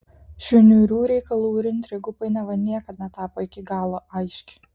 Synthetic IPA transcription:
ʃʲʊnʲuːɾʲuːɾʲɛɪkɐlˠuːɾʲɪnʲt̪ʲɾʲɪɡʊpɐɪnʲɛʋɐnʲiɛkɐt̪nʲɛt̪ɑːpoɪkʲɪɡɑːlˠoʔɐɪʃʲkʲɪ̥

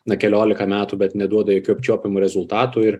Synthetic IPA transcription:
nɐkʲɛlʲoːlʲɪkɐmʲæːt̪ubʲɛt̪nʲɛd̪uɔd̪ɐjoːkʲuːɐpʲt͡ʃʲuːpʲɪmuɾʲɛzʊlˠt̪ɑːt̪uɪɾ

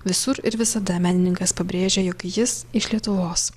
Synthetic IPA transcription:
ʋʲɪsʊɾɪɾʋʲɪsɐd̪ɐmʲæːnʲɪnʲɪŋkɐspɐbʲɾʲeːʒʲejoːkjɪsɪʃlʲiɛt̪ʊʋoːs

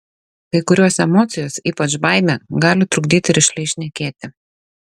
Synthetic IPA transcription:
kɐɪkʊɾʲuɔsɛmɔːt̪sʲɪjoːsiːpɐt͡ʃbɑˑɪmʲɛɡɑːlʲɪt̪ɾʊɡd̪ʲiːt̪ʲɪɾʲɪʃʲlʲɛɪʃʲnʲɛkʲeːt̪ʲɪ

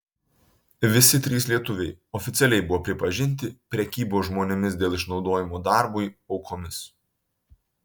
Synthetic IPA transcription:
ʋʲɪsʲɪt̪ʲɾʲiːslʲiɛt̪ʊʋʲɛɪɔfʲɪt̪sʲɛlʲɛɪbʊʋoːpʲɾʲɪpɐʒʲɪnʲt̪ʲɪpʲɾʲɛkʲiːboːsʒmoːnʲɛmʲɪsd̪ʲeːlˠɪʃnɒʊd̪oːjɪmoːd̪ɑˑɾbʊɪɔʊkʰoːmʲɪs

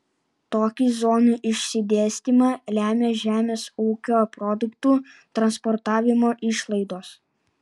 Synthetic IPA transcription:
t̪oːkʲiːzoːnuʔɪʃʲsʲɪd̪ʲeːsʲt̪ʲiːˑmɑːlʲæːmʲeːʒʲæːmʲeːsuːkʲoːpɾɔd̪ʊkt̪uːt̪ɾɐnspɔɾt̪ɑːʋʲɪmoːʔɪʃlˠɐɪd̪oːs

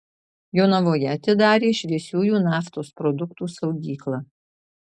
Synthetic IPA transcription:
joːnɐʋoːjɛɐt̪ʲɪd̪ɑːɾʲeːʃʲʋʲiɛsʲuːjuːnɑːft̪oːspɾɔd̪ʊkt̪uːsɒʊɡʲiːklˠɑː

